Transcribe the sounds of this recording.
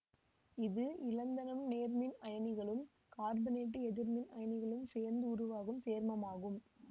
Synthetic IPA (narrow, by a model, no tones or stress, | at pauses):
ɪðɯʔɪlɐnd̪ɐnɐmneːɾmɪnɐjɐnɪɣɐɭɯm | kaːɾbɪneːʈ̬ːɯɛðɪɾmɪnɐjɐnɪɣɐɭɯmseːɾnd̪ɯʊɾʊʋaːɣɯmseːɾmɐmaːɣɯm